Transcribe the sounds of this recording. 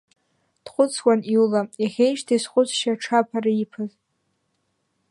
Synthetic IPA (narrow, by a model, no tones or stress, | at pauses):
d̥χʷʊt͡sʰwʷaniwlajaχʲejʃtʰasχʷʊt͡sʰʼʃaʈ͡ʂʰapʰaɾaipʰaz